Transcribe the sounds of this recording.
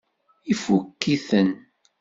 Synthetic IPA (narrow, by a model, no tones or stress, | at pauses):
ifukːiθən